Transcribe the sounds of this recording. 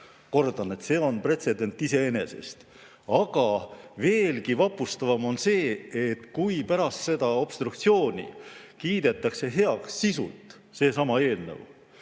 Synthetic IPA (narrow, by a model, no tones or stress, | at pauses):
ko̞rd̪̥ɑne̞t̪se̞ːo̞npre̞t̪se̞d̪e̞nt̪ːˑise̞ene̞se̞̰st̪ | ɑɡ̥ɑve̞ːlkivɑpːˑust̪ɑvɑmo̞nse̞ːet̪kujpæɾɑst̪se̞d̪̥ɑo̞b̥st̪ɾukt̪sio̞ːnʲḭkiːd̪̥e̞t̪ːˑɑkse̞ɦe̞ɑksːisṵlt̪ˑ | se̞ːsɑmɑe̞ːlnə̰w